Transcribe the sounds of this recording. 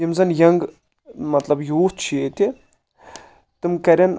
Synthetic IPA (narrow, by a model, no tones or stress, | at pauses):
imzɐnjɐŋɡ | mɐt̪lɐbjuːt͡ʃʰiet̪ʲi | t̪ɨmkɐɾʲɐn